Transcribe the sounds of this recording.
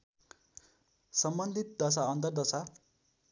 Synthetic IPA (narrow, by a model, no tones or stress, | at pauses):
sʌmbʌnd̪ʱit̪̚d̪ʌs̬aʌnt̪ʌrd̪ʌsa